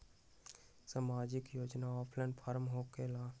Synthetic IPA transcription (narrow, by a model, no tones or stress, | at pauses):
samaːd͡ʒɪkjoːd͡ʒnaɔːpʰlɛnpʰaɾmɦoːkelaː